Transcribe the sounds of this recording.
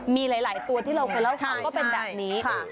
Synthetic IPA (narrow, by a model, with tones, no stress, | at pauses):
miː˧laː˩˦jlaː˨˩˦jt̪u˧ɐt̪ʰiː˥˩ɾa˧wkʰɤː˧jla˥˩t͡ɕʰa˥˩ŋkɔː˥˩pe˧nbɛː˨˩p̚niː˦˥kʰ